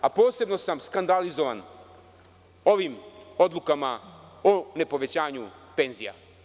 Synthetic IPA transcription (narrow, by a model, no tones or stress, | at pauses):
apo̞ːse̞bno̞samskand̪alizo̞ʋan | o̞ʋimo̞d̪lukamaone̞po̞ʋe̞t͡ɕaːɲupe̞ːnzija̰